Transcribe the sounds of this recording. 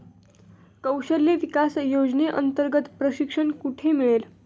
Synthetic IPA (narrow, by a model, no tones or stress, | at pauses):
kəwɕəljeʋikasjod͡ʑneʔənt̪əɾɡət̪pɾəɕikʂəɳkuʈʰemiɭel